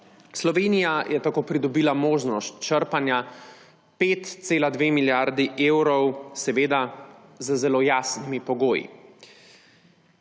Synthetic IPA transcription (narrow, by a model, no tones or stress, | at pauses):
slɔʋeːnijajʔɛt̪akoːpɾid̪ɔbilamoːʒnɔst̪̚t͡ʃəɾpanja | peːt̪t̪seːlad̪ʋeːmiljaɾd̪iʔeːwɾɔwsɛʋeːd̪azəzɛloːjaːsnimipɔɡoːjḭ